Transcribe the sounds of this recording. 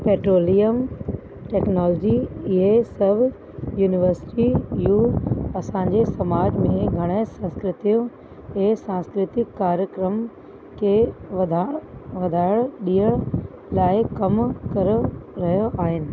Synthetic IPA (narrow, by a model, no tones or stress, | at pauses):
peːʈɾoːlijəm | ʈɛːknɔːlɔːd͡ʑiɪɦesɐbʱ | juːnɪʋəɾsɪ̥ʈijuːɐsãːɲd͡ʑesɐmaːɾd͡ʑmẽɡʱɐɽ̃esɐ̃nskɾɪt̪ijũ | kʰeːsãːnskɾɪt̪ɪkːaːɾjəkɾəm | kʰeːd̪ʱʋɐd̪ʱaːɪɭɗiːəɽ | laːɪkɐmkɐɾəɾɐɦijoʔaːɦɪnɪ̆